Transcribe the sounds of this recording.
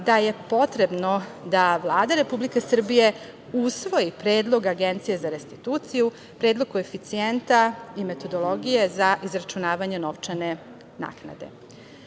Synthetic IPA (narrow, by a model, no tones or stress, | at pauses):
d̪aje̞po̞t̪ɾe̞bno̞d̪aʋlˠaːd̪aɾe̞publike̞sr̩bije̞ | usʋo̞jipɾeːd̪lˠo̞ɡaɡent̪sijezaɾe̞st̪i̥t̪uːt̪siju | pɾeːd̪lˠokue̞fit̪sient̪aime̞t̪o̞d̪o̞lo̞ɡije̞zaʔizɾat͡ʃunaːʋaɲe̞no̞ʋt͡ʃane | na̰ːkna̰d̪e̞̰